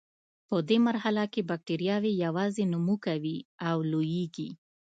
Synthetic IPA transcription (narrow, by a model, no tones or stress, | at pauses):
pəd̪emaɾhalakebak̚ʈeɾijɑwejawɑzenʊmukawiawlojeɡi